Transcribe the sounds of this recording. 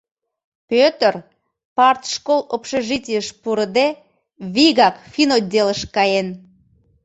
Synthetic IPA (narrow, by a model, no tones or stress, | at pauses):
pøt̪ər | pɑrt̪ʃkolˠopʃeʒitʲijəʃpuɾəd̪e | βiɣɑkfinodʲeləʃkɑjen